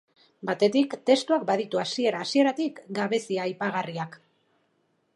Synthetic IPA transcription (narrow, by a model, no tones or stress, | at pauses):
bat̪e̞t̪ikt̪e̞st̪uakbaðit̪uasie̞ɾaːsie̞ɾat̪ikɡaβe̞siaːjpaɣariak